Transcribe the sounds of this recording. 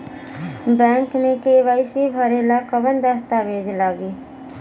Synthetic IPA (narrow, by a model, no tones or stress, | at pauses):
bɛ̃ːŋkmẽkeʋaːɪsibʱəɾelakəbənd̪əst̪abʱeːd͡ʒlaːɡiː